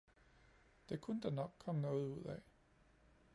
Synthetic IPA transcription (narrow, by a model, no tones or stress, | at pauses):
d̥ekʰunəd̥ɑnɒ̽ɡ̥̚kʰːɒ̽mənɔ̽ːð̞̩ˠuð̰ˠɛ